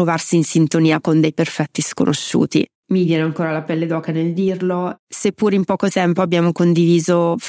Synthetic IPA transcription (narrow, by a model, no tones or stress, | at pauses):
ɾovarsiːnsint̪oniːakond̪ɛjperfɛt̪ːisko̰nʔo̰ʃːṵːt̪ḭ | mivjɛːneaŋkoːɾalapɛlːed̪ɔːkaneld̪irlosepːuːɾeimpɔːkot̪ɛmpoabːjaːmokond̪iviːzo